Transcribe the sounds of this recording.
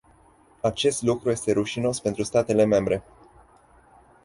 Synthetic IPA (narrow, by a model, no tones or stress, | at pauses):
at͡ʃe̞st̪lukɾuje̞st̪e̞ɾuʃino̞spe̞nt̪ɾust̪at̪e̞le̞me̞mbɾe̞